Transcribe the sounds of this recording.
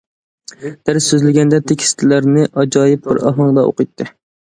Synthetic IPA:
d̪̥æɾssøzlɪɡʲɛnd̪ɛt̪ʰekʲʰi̥st̪ʰɪlæɾnɪʔɑd͡ʒɑːjɪp̚bɪɾɑ̰ɦɑŋd̪ɑo̰qʰɨjt̪ʰːɨ

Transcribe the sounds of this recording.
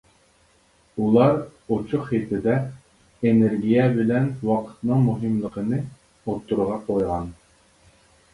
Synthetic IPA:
ulˠɑɾot͡ʃʰuχet̪ʰɪd̪ɛ | eneɾɡʲijɛbɪlɛnwɑqʰə̥t̪nɨŋmuɦɨmlˠəqʰənɨ | ot̪ʰːuɾʁɑqʰojʁɑn

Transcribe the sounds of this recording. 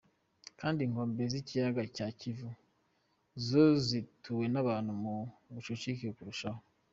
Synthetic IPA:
kaːndiŋo̞ːmbezicijaɡacaːcivu | zozitʰuwe̞naβaːnhumumut͡ʃot͡ʃikiɾkuɾuʃaho

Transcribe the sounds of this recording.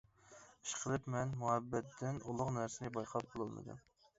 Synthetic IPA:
i̥ʃqʰəlˠɨpmɛnmuhɛbːɛt̪ːɪnulˠʊqnæɾsɪnɪbɑjqʰɑp̚qʰolˠɨlˠmɨ̰d̪ṵm

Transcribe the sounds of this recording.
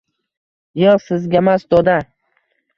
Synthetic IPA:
jɨʁsɪzɡʲamasd̪ɒd̪a

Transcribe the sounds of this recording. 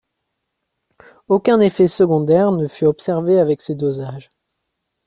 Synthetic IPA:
okʲɛ̃nefɛsəɡɔ̃d̪ɛʁnəfyɔpsɛʁveavɛksed̪ozaʒ

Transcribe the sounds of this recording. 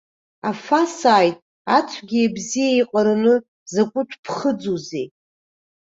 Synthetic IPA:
afasaːjtʼ | at͡sʷʰɡʲiebzijaiqʼaɾanɨ | zakʷʼʊt͡ʃʷʰʼpʰχəd͡zuze

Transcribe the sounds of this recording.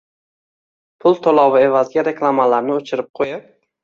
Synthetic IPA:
pʰʊlˠt̪ʰolˠɒwɪe̞vazɡʲaɾe̞klˠamalaɾnɪot͡ʃʰɪɾɪp̚qʰojap

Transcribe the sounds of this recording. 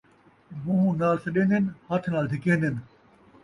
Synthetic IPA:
muɦũnaːlsɐɗẽːnd̪ɪnhɐt̪ʰnaːld̪ʱɪkẽːnd̪ʱɪn̆

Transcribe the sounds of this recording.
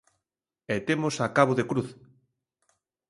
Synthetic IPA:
ɛt̪emosakaβoðekɾuθ

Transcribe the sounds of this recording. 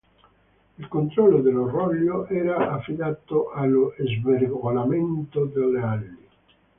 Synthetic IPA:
ilkont̪ɾɔlːod̪elːorɔʎːoʔɛːɾaafːid̪aːt̪oʔalːoʔezveɾɡolament̪od̪elealːi

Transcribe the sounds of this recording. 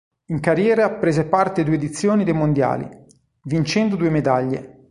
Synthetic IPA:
iŋkarjɛːɾapɾeːzepart̪ed̪uːed̪it̪sːjoːnid̪ejmond̪ja̰ːlḭ | vint͡ʃɛnd̪od̪uːemed̪aʎːḛ

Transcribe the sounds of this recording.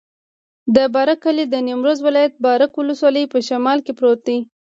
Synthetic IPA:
d̪əbɑɾakːalid̪ənimɾozwɪlɑjat̪̚bɑɾakwʊləswɑləjpəʃamɑlkepɾot̪̚i

